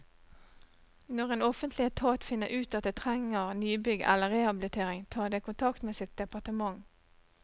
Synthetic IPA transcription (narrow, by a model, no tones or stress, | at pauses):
nɔʁeːnɔfənt̪lɪət̪ʰɑːt̪fɪnːəʔʉːt̪ɑt̪̚d̪eːt̪ʰʁɛŋəʁnyːbʏɡʔɛ̰lːəʁehɑblɪt̪ʰeːʁɪŋt̪ʰɑːd̪ekʰʊnt̪ʰɑkt̪meːsɪt̪̚d̪ɛpɑʁt̪əmɑŋ